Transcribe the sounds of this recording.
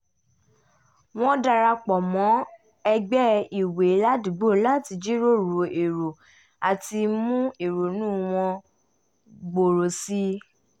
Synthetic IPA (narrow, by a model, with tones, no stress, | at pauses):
w̃ɔ̃˦da˧ɾa˧k͡pɔ˨mɔ̃˨˦ | ɛ˧ɡ͡bɛ˦i˨we˨˦la˦di˨˦ɡ͡bo˦˨˦la˦ti˧d͡ʒi˦ɾo˦˨ɾu˨˦e˨ɾo˨ | a˨ti˧mũ˦e˨ɾo˨nũː˦w̃ɔ̃˧ | ɡ͡bo˨ɾo˨si˦